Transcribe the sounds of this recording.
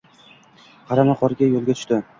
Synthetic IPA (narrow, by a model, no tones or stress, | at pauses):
qʰɑɾanaqʰɒɾɪɡʲajolˠɡʲat̪ʰʊ̥ʃt̪ɪ